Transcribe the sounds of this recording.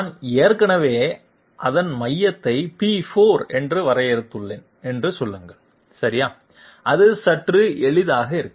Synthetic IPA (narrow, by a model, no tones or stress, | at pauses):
aneːɾkɐɳɐʋeː | ʔɐðɐnmɐjːɐt̪ːɐɪpifoːɾɛndrɯʋɐɾɐjɛɾɯt̪ːɯɭːeːn | ɛndrɯsɔlːɯŋɡɐɭ | sɐɾɪjaː | ʔɐðɯsɐʈrɯʔɛɭɪðaːɣɐɪɾɯkːɯ